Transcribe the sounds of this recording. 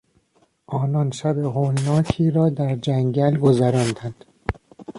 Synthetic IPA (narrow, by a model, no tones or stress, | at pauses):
ʔɒːnɒnʃæbehoːlnɒːkʰiːɾɒːd̪æɾd͡ʒæŋɟælɡozæɾɒnd̪ænd̪̥